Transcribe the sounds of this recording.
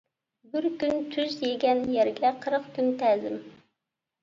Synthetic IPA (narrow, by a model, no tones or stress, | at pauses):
bɪɾkʲynt̪ʰyzjeɡʲɛnjɛɾɡʲɛqʰəɾəqkʲynt̪ʰɛːzɪm